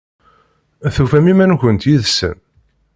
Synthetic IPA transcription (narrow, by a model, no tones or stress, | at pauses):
æθufæmimænçənt̪jiðsə̰m